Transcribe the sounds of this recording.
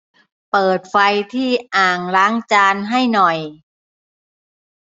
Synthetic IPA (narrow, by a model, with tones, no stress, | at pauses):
pɤː˨˩t̪̚fa˧jt̪ʰiː˥˩ʔaː˨˩ŋɾaː˦˥ŋt͡ɕaː˧nɦa˥˩jnɔ˨˩j